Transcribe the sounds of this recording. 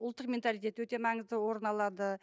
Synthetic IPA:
ʊlˠt̪ːəqmʲe̞nt̪alijt̪e̞t̪wɵt̪e̞mɑɴəzd̪əwo̞ɾənɑlˠɑd̪ə

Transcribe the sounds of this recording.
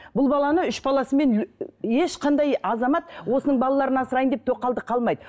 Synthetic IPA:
bʊlˠbɑlˠɑnəʏʃbɑlˠɑsəme̞neʃqɑnd̪ɑjɑzɑmɑt̪wo̞sənəɴbɑlˠɑlˠɑɾənɑsəɾɑjənd̪e̞p̚t̪ʰo̞qːɑlˠd̪əqʰɑlˠmɑjd̪ə

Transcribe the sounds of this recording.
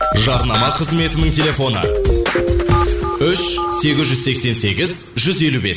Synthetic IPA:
ʒɑɾnɑmɑqʰəzme̞t̪ɪnɪŋtʲʰe̞lʲefo̞nə̰ | ʏʃse̞ɡʲɪzʒʏzse̞kse̞nse̞ɡʲɪz | ʒʏze̞lube̞̰s

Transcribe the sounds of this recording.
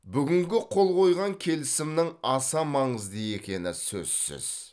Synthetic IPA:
bʏɡʲɪŋɡʲɪqʰo̞lˠqʰo̞jʁɑŋkʲʰe̞lɪsɪmnɪŋɑsɑmɑɴəzd̪əje̞kʲe̞nɪsɵ̰z̥sɪ̰z̥

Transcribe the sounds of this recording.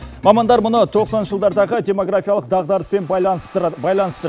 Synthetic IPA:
mɑmɑnd̪ɑɾmʊnət̪ʰo̞qsɑnʒ̥əlˠd̪ɑɾd̪ɑʁəd̪ʲe̞mo̞ɡɾafijɑlˠəq̚d̪ɑʁd̪ɑɾəspe̞n | bɑjlˠɑnəst̪əɾ

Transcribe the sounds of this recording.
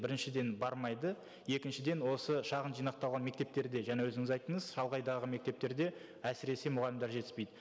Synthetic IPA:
bɪɾɪnʃɪd̪e̞nbɑɾmɑjd̪ə | je̞kʲɪnʃɪd̪enwo̞səʃɑʁənʒijnɑq̚t̪ɑlˠʁɑnme̞k̚t̪e̞p̚t̪e̞ɾd̪e̞ʒænewɵzɪŋɪzɑjt̪əɴəzʃɑlˠʁɑjd̪ɑʁəme̞k̚t̪e̞p̚t̪e̞ɾd̪e̞ | æsɪɾe̞semʊʁɑlʲɪmd̪ɑɾʒe̞t̪ɪ̥spe̞jd̪ɪ

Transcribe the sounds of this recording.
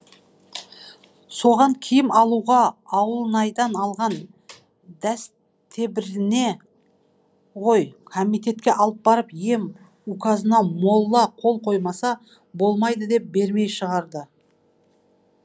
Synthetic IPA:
so̞ʁɑŋkʲʰijɪmɑlˠuʁɑɑwəlˠənɑjd̪ɑnɑlˠʁɑn | d̪æs | t̪ʰebɪɾɪne̞ | ʁo̞jkʰomijt̪e̞t̪kʲe̞ʔɑlˠəp̚bɑɾəpje̞m | ukɑzənɑmo̞lˠːɑqʰo̞lˠqʰo̞jmɑsɑ | bo̞lˠmɑjd̪əd̪e̞p̚be̞ɾme̞jʃəʁɑɾd̪ə

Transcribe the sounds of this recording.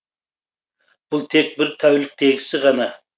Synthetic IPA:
b̥ʊlˠt̪ʰek̚ʲbɪɾt̪ʰæwlɪk̚ʲt̪ʰeɡʲɪsɪʁɑnɑ

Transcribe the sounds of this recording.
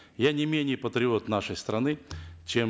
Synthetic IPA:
janʲɪmʲenʲɪjəpət̪ɾʲɪo̞t̪naʂəjst̪ɾɐnɨt͡ɕem

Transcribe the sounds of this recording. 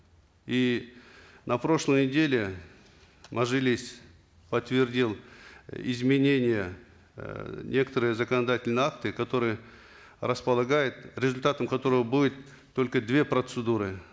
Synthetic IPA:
i | nɐpɾo̞ʂlˠəjnʲɪdʲelʲɪ | mɐʐɨlʲɪsʲ | pət̪vʲɪrdʲilˠɪ̰zmʲɪnʲenʲɪjə | nʲe̞kə̥t̪əɾɨjəzəkənɐd̪atʲɪlʲnəjakt̪ɨkɐt̪o̞ɾɨjə | rəspəlˠɐɡajɪt̪ɾʲɪzʊlʲt̪at̪əmkɐt̪o̞ɾəvəbudʲɪt̪ː | o̞lʲkəd̪vʲe̞pɾət̪sɨd̪uɾɨ

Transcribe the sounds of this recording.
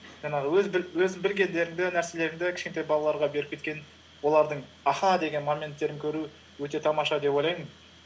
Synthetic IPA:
ʒ̥ɑɴɑʁəwɵzbɪwɵzɪŋbɪlɡʲe̞nd̪e̞ɾɪŋd̪ɪnæɾse̞le̞ɾɪŋd̪ɪkʲʰɪ̥ʃkʲet̪ɑjbɑlˠɑlˠɑɾʁɑbe̞ɾɪp̚kʰʲe̞t̪kʲe̞ | wo̞lˠɑɾd̪əɴ | ɑχɑd̪e̞ɡʲe̞nmanmʲe̞nt̪ːe̞ɾɪŋkʲʰɵɾu | wɵt̪e̞t̪ʰɑmɑʃɑd̪e̞pojlɑjmən

